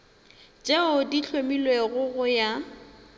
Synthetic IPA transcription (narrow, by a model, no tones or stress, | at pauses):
t͡ʃʼeʊdiɬʰomilweɣʊɣʊja